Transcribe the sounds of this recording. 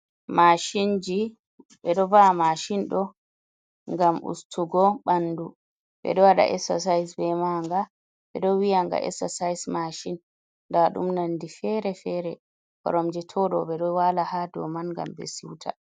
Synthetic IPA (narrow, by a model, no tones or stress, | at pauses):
maʃind͡ʒi | ɓɛɗɔbamaʃinɗɔ | ŋɡamʔṵstuɡɔɓanːdu | ɓɛ̰ɗɔwaɗa̰ʔɛsa̰sajsbɛmaŋɡa | ɓɛ̰ɗɔwijaŋɡa̰ʔɛ̰sasajsmaʃinː | daɗṵmnandifɛɾɛfɛɾɛ | kɔ̰ɾɔmd͡ʒɛtʰɔɗɔɓɛɗɔwalahadɔ̰manŋɡa̰mbɛ̰siwtʰa̰